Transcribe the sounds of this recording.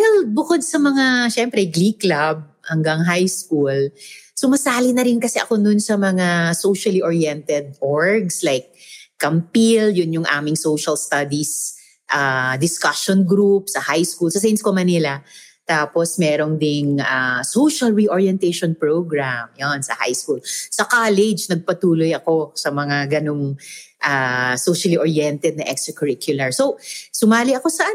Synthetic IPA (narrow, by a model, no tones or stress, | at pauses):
wɛl̚bʊkod̪̚sɐmɐŋaʃɛmpɾɛɡliklab̚ | hɐŋɡɐŋɦajskulsʊmɐsaːlɪnɐɾɪnkɐsɛʔɐko̞nʊnsɐmɐŋasowʃɐliʔoɹiɛnt̪ɛd̪̚ʔoɹɡslajkː | ɐmpiljʊnjʊŋʔa̰ːmɪŋsowʃɐlst̪ad̪is | ʔad̪ɪskaʃonɡɾup̚sɐhajskulsɐsɐɪnskomɐnɪlɐ | t̪aːposmɛːɾond̪ɪŋasowʃɐlɹiʔoɹjɛnt̪ɛjʃɔnpɹowɡɹamjonsɐ̰ha̰jskulsɐkaːlɛd͡ʒnɐɡ̚pɐt̪uːlojɐko̞sɐmɐŋaɡɐnoŋʔasowʃɐliʔoɹjɛnt̪ɛd̪̚nɐʔɛkst̪ɾɐkɔɹɪkʰjʊlɐɹsosʊmaːlɪɐko̞sɐʔa